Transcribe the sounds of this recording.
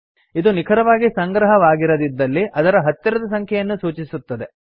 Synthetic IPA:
id̪unikʰɐɾɐʋaːɡisɐŋɡɾɐɦɐʋaːɡiɾɐd̪id̪ːɐlːiʔɐd̪ɐɾɐɦɐt̪ːjɐɾɐd̪ɐsɐŋkʰjɛjɐnːusuːt͡ʃisut̪ːɐd̪e̞

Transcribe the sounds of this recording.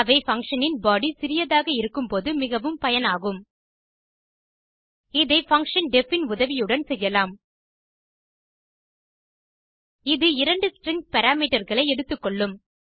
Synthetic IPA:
ɐʋɐɪfɐŋkʂɐnɪnbaːɽisɪɾɪjɐðaːɣɐɪɾɯkːɯmpoːðɯmɪɣɐʋɯmpɐjɐnaːɣɯm | ɪðɐɪfɐŋkʂɐnɖɛfɪnʊðɐʋɪjɯɽɐnsɛjːɐlaːm | ɪðɯɪɾɐɳɖɯsʈɾɪŋɡpɐɾaːmiːʈɐɾɣɐɭɐɪɛɽɯt̪ːɯkːɔɭːɯm

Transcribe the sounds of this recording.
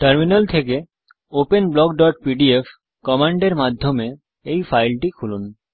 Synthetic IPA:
ʈəɾminalt̪ʰeke | openblɔɡ̚ɖɔʈ̚piɖief | kɔmaɳɖeɾmad̪ʱːome | ejfajlʈikʰulun

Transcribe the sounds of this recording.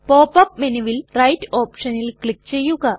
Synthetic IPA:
po̞ːpːɐp̚minuʋilrɐjtoːpʂɐnilkɭikːt͡ɕe̞jːuɣɐ

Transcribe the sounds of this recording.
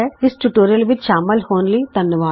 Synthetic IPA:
ɛɪsʈuːʈoːɾijəlʋɪt͡ʃʃaːməlhoːnliːd̪ɐnjəʋaː

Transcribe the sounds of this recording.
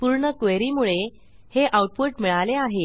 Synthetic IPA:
puɾɳəkʋeɾimuɭe | heʔawʈ̚puʈmiɭaleaɦe

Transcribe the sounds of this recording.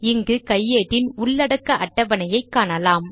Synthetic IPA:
ɪŋɡɯkɐjːeːʈːɪnʊɭːɐɽɐkːɐʔɐʈːɐʋɐnɐjɐɪkːaːnɐlaːm

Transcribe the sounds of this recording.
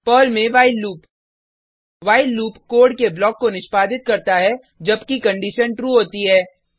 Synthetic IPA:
pɔːlmẽʋaːɪlːuːp | ʋaːɪlːuːpkoːɾɖkeblɔːkːonɪʃpaːd̪ɪt̪̚kɐɾt̪aɦɛ | d͡ʒɐbkikɐ̃ɳɖiʃənʈɾuːɦoːt̪iɦɛː

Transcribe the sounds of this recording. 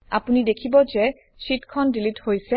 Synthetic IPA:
a̰punidekʰibɔzɛ | ʃitkʰɔndilithojsɛ

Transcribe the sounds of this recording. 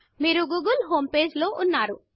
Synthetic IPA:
meːɾuɡuɡulɦompeːd͡ʒloʔunːaɾu

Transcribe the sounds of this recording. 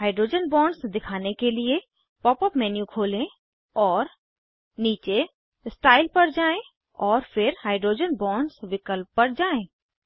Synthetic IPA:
ɦaːɪɖɾoːd͡ʒənbɔ̃ːɳɖsd̪ɪkʰaːnekelie | pɔːpəpmɛːnjukʰoːlẽ | ɔːɾ | niːt͡ʃe | sʈaːɪlpɐɾd͡ʒaːẽ | ɔːɾfʰɪɾhaːɪɖɾoːd͡ʒənbɔːɳɖsʋɪkəlpːɐɾd͡ʒaːẽ

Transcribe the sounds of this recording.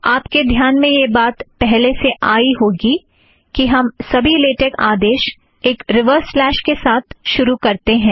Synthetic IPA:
aːpked̪ʱjaːnmẽjebaːt̪pɛɦleseʔaːiɦoːɡi | kiɦɐmsɐbʱileːʈekaːd̪eːʃ | eːkɾɪʋəɾslɛːʃkesaːt̪ʰʃʊɾukɐɾt̪eɦɛ̃ː

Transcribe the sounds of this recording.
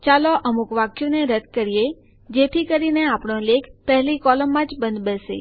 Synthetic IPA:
t͡ʃaloʔəmukʋakjũneɾəd̪̚kəɾije | d͡ʒet̪ʰikəɾineapɳõlekʰpɛɦlikɔləmːãd͡ʒbə̃nd̪bəsḛ

